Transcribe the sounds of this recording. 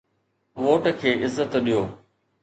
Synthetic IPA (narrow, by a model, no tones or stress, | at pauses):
ʋoːʈkʰeːʔɪzːət̪ɗijoː